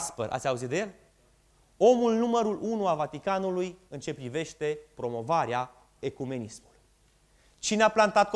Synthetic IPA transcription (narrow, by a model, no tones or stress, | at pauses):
speɾʔa̰t̪sʲauzit̪d̪ejel | o̞mulnuməɾulʔunuavat̪ikanulujɨnt͡ʃe̞pɾive̞ʃt̪e̞pɾo̞mo̞vaɾea | e̞kume̞nismuluj | t͡ʃineaplant̪at̪̚k